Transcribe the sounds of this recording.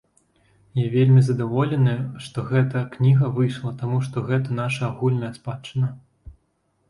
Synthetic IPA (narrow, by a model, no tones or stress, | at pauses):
javʲelʲmʲizɐd̪avɔlʲɛnɨʂt̪ɔɣɛt̪ɐknʲiɣɐvɨjʂlˠɐt̪amuʂt̪ɔɣɛt̪ɐn̪aʂɐaɣulʲnɐjɐspat͡ʂːɨnɐ